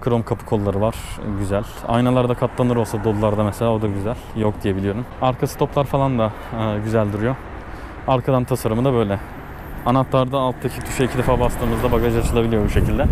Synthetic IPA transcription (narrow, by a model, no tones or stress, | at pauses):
kʰɯɾomkʰapʰɯ̥kʰo̞lˠːaɾɯvaɾ̥ɟyzælʲa̰jnalˠaɾd̪akʰat̪lˠanɯɾo̞lˠsad̪olˠulˠaɾd̪amɛse̞lʲaːod̪aɟyzælʲjokd̪ije̞bilʲijo̞ɾumaɾkʰasɯ̥t̪ʰo̞plˠaɾfalˠand̪aː | ɟyzælʲd̪uɾujo̞ | aɾkʰad̪ant̪ʰasaɾɯmɯd̪abø̞jlʲɛ | anat̪lˠaɾd̪aːlˠt̪ʰːacʰit̪ʰyʃɛicʰid̪efaːbast̪ʰɯːmɯzd̪abaɡaʒiat͡ʃʰɯlˠabilʲijo̞buʃe̞cʰilʲd̪ɛ